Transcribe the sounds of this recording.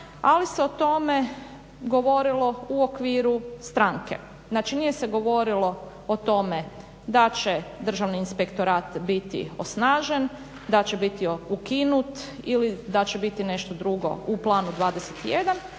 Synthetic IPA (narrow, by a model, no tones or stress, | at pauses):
aliseo̞t̪o̞me | ɡo̞ʋo̞ɾilˠo̞uokʋiːɾust̪ɾaːŋkḛ | znaːt͡ʃinijeseɡo̞ʋo̞ɾilˠo̞ | ot̪o̞me | d̪at͡ʃed̪r̩ʒaʋniːnspekt̪o̞ɾaːt̪bit̪ḭo̰snaːʒen | d̪at͡ɕebit̪ioukinut̪ilid̪at͡ɕebit̪ine̞ʃt̪od̪ɾuɡo̞̰uplˠaːnud̪ʋaːd̪eset̪ijed̪an